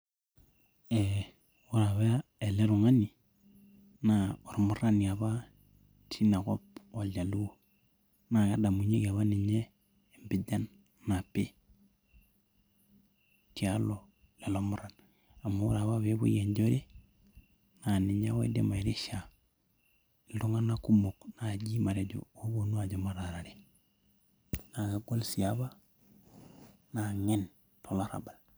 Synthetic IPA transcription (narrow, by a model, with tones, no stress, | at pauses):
ɛ˨ | u˦ɾa˨βe˦a˦ɛ˨le˦ɾu˨ŋa˦ni˨ | na˨ɔ˨ɾmu˦ɾa˦ni˨a˨βa˦ | tʰi˦na˨kɔ˦pɔ˨la˨lu˦wo˨ | na˨ka˦da˨mu˨ɲi˦ke˨βa˦ni˨ɲɛː˦˨ | mbi˨˦da˦nː | a˨pe˦ | ti˦a˦lɔ˨ | le˨lo˦mu˦ɾa˨n | a˨mo˦u˦ɾa˨βa˦βe˦βṵ˦je˨ɲɟo˦ɾe˦ | na˨ni˨ɲa˦wḛ˦dḛ˦ma˨ɾi˦ʃa˨ | du˦ŋa˦na˦ku˦mo˨kna˨ɟi˦ma˨ɾe˨ɟo̰˨o˦bo˨nu˦a˨ɟo˨ma˦ɾa˨ɾa˨ɾe˨ | na˨ɡa˨ɡo˦lsi˨a˦βa˦ | na˨ŋe˦n | tʰo˨la˦ɾa̰˨ba˨l